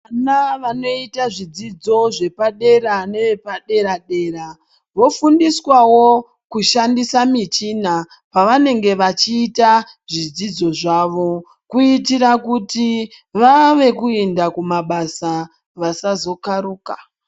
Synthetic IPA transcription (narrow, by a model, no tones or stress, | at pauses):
anaʋano̞itaʐid͡zid͡zo̞ʐe̞paɗe̞ɾane̞ʋe̞paɗe̞ɾaɗe̞ːɾa | ʋo̞fundiswawo̞ | kuʃandisamit͡ʃina | paʋane̞ŋɡe̞ʋat͡ʃiːta | ʐid͡zid͡zo̞ʐaʋo̞ | kuitiɾakuti | ʋaʋe̞kuendakumaɓasa | ʋasazo̞kaɾuːka